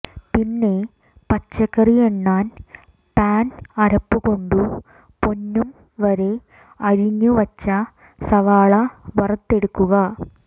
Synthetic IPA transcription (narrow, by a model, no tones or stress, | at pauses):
pinːe̞ | pɐt͡ɕːɐkːɐrijeɳːaːn | paːnɐɾɐpːuɣo̞ɳɖu | po̞nːum | ʋɐɾe̞ | ɐɻiɲːuʋɐt͡ɕːɐ | sɐʋaːɭɐʋɐrɐt̪ːe̞ɽukːuɣɐ